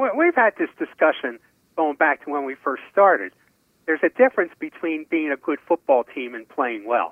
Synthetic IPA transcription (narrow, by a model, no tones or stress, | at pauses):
wɛlˠwiv̥ɨd̪̚ðɪsd̥ɨskʌʃɨ̃n | ɡ̥oʊɪ̃ŋbæk̚tʰəwə̃nwifɜ˞ststɑɹɾɨ̰d̪̚ | ðə˞zɨdɪfɹɨ̃nsb̥ɨtʰw̥ĩnbiɪ̃ŋɨɡʊd̥fʊt̚b̥ɔlˠtʰĩmɨ̃npʰl̥eɪɪ̃ŋwɛ̰lˠ